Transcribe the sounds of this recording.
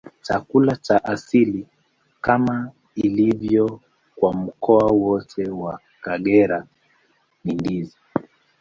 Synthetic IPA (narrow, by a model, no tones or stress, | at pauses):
t͡ʃakulat͡ʃaʔasili | kama | ilivjɔ | kwam̩kɔawɔtʰɛwa | kaɠɛɾa | nindizi